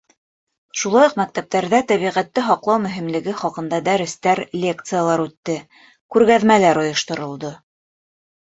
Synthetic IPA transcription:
ʃulˠɑjoqmæk̚t̪æp̚t̪æɾðæt̪æβiʁæt̪ːɘɦɑqlˠɑwmɵ̆ɦĭmlɘ̆ɡɘχɑqɤ̆nd̪ɑd̪æɾɘ̆st̪æɾlʲek̚t̪sɨjalˠɑɾʉt̪ːɘ | kʉɾɣæðmælæɾŏjŏʃt̪ŏɾŏlˠd̪ɤ

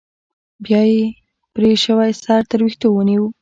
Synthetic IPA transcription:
bjɑje | pɾeʃəwajsɑɾt̪əɾwixt̪owəniwu

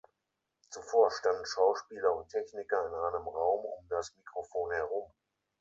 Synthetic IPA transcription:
t͡sufoːɐʃtandn̩ʃaʊʃpiːlɐʊntʰɛçnɪkɐɪnʔaɪnəmʁaʊmʊ̰mdasmikʁ̥ofoːnhɛʁ̞ʊm

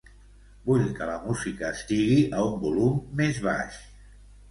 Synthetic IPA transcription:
buʎkələmuzikəːst̪iɣiʔəumbulumːezβ̞a̰ʃ

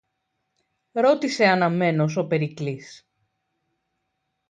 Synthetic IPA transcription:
ɾo̞t̪ise̞ɐnɐme̞no̞s̬o̞pe̞ɾiklis

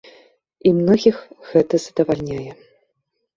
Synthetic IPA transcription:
imnɔɣʲixɣ̥ɛt̪ɐz̥ɐd̪ɐvalʲnʲajɛ

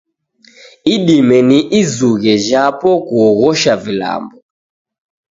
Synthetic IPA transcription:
iɗimɛniʔizuɣɛʒapɔkuɔɣɔʃavila̰mbɔ

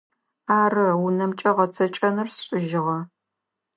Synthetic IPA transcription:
aːrɨwunɐmt͡ʃʼɐʁɐt͡sʰɐt͡ʃʼɐnɨrsɕʼɪʒɪʁɐ

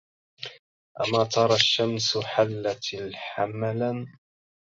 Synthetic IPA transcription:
ʔa̰maːt̪ˤʰɑɾˤɑʃːamsħalːat̪ħamala

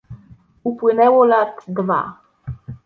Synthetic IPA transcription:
upwɘnɛwɔlat̪d̪va̰

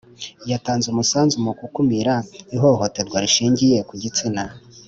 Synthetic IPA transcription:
jataːnzumusaːnzumukukumiɾaiɦo̞ho̞te̞ɾɡwaɾiʃiːɲɟije̞kuɟit͡sina

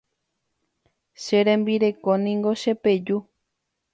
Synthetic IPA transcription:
ʃeɾẽmbiɾe̞konĩŋɡo̞ʃe̞pe̞d͡ʒu

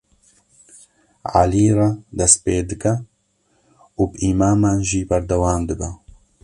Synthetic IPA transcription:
ʕa̰liːrɑd̪ɛspeːd̪ɨkɛ | uːbʔimaːmaːnʒiːbɐɾd̪ɛwaːmd̪ɨbɛ

